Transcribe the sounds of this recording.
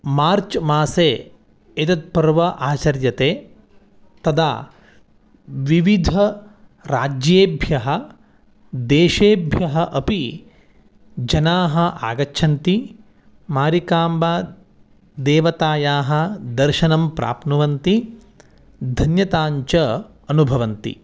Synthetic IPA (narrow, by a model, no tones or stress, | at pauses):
maːɾt͡ʃmaːseː | et̪ɐt̪̚pɐɾʋɐʔaːt͡ʃɐɾjɐt̪eː | t̪ɐd̪ʰa̰ː | ʋiʋid̪ʱɐɾa̰ːd͡ʒjeːbʱjɐɦɐ̆ | d̪eːʃeːbʱjɐɦɐ̆ʔɐpi | d͡ʒɐnaːɦɐ̆ʔa̰ːɡɐtːʃʰɐnt̪i | maːɾikaːmbaː | d̪eːʋɐt̪aːjaːɦɐ̆d̪ɐɾʃɐnɐmpɾʔa̰ːpnɐʋɐnt̪i | d̪ʱɐnjɐt̪aːɲt͡ʃɐ | ɐnubʱɐʋɐnt̪ḭ